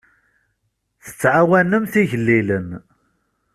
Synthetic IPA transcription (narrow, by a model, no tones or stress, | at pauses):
θə̥t͡sːʕawænəmθiʝəlːilən